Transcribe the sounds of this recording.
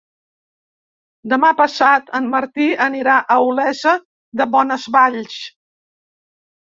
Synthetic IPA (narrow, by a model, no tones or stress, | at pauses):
d̪əmapəsat̪əmməɾt̪iəniɾaʔəulɛzə | d̪əβɔnəzβaʎs